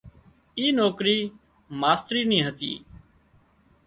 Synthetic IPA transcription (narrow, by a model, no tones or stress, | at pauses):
iːnoːkɾiː | maːst̪ɾiːnĩːɦət̪ḭː